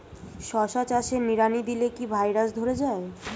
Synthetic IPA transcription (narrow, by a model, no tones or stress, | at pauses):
ʃɔʃat͡ɕaʃeniɾanid̪ilekibʱajɾaʃd̪ʱoɾed͡ʑae